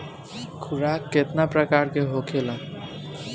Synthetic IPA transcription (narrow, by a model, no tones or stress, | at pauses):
kʰuɾakːet̪napɾəkaɾkeɦokʰelə̃